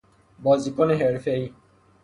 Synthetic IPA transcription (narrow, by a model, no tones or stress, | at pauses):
bɔːzikoneɦeɾfei